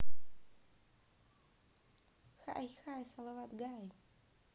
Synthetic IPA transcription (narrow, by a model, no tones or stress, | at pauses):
xaʔajxajsalawat̪ɡaj